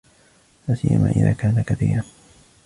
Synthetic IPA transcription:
laːsɪjːamaːʔɪðaːkaːnakaθiːɾan

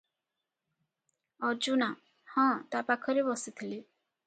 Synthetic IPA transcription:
ɔɾd͡ʒuna | hɔ̃t̪apakʰɔɾebɔsit̪ʰili

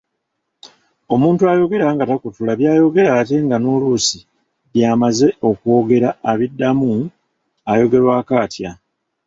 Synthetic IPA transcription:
o̞muːntuajo̞ɡe̞ɾaːŋɡatakutulaβjaːjo̞ɡe̞ɾaːte̞ŋɡanolusi | βjaːmaze̞o̞kwo̞ːɡe̞ɾaːβidːamu | ajo̞ɡe̞ɾwaːkaːtja

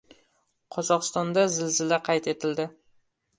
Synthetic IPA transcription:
qʰɒzɒqɨst̪ɒnd̪azɪlzɪlaqʰɑjt̪ʰe̞t̪ʰɪld̪ɪ

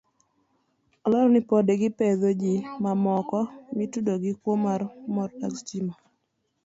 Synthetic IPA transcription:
ɔlɔɾɔnɪpɔdeɡɪpeðod͡ʒimamɔkɔmitudoɡɪkwomarmɔɾakst͡ʃima

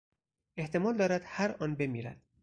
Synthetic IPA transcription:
e̞ht̪ʰe̞mɒːld̪ɒːɾæd̪̥hæɾɒːnbe̞miːɾæ̰d̪̥̚

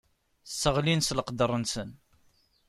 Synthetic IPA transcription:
sːəʁlinsləqd̪ərˤənsən

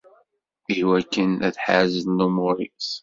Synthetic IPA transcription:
iwækːənæθħazənːumʊɾḭs

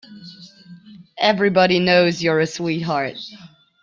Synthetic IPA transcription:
ɛvɹibɑɾinoʊzjə˞ɨswit̚ɦɑɹt̚

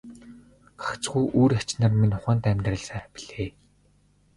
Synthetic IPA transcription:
ɢḁkt͡sɡujʔuːɾat͡ɕnə̆rminʊχə̆nt̪æmʲt̪rə̆ɮsæːpʲi̥ɮ̥eː

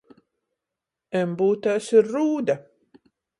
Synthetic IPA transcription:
ɛmbuːt̪asiɾːuːd̪a

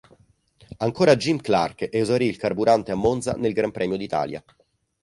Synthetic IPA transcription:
aŋkoːɾad͡ʒimkla̰rkʔeuzaɾiːlkarbuɾant̪eamːont̪za̰nelɡɾampɾɛːmjod̪it̪a̰ːlja̰

